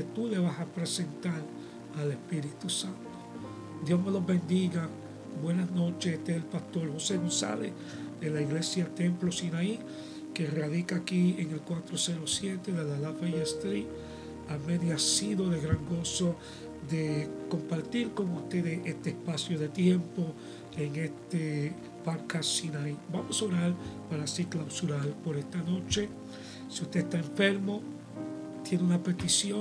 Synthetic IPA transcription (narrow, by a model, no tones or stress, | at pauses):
et̪ule̞βasapɾesent̪aɾ | ale̞spiɾit̪usant̪o | d̪jo̞sme̞lo̞zbe̞nd̪iɣa | bwe̞nasno̞t͡ʃet̪eelpast̪o̞ɾhose̞nosa̰βe | d̪e̞laiɣle̞sjalt̪e̞mplosinai | kerað̞ikaːkieŋelkwat̪ɾoseɾosje̞t̪e̞ðelalafajest̪ɾi | ameðjasiðo̞ðeɣɾaŋɡo̞so | ðeko̞mpaɾt̪iɾko̞ŋust̪e̞ðeʔest̪eespasjo̞ðe̞t̪je̞mpo̞ | eŋest̪e | paɾkassinajbamosaoɾaɾpaɾasiɾklawsuɾalpo̞ɾest̪ano̞t͡ʃe̞ | siust̪e̞est̪aeɱfe̞ɾmo̞ | t̪jeneunape̞t̪isjo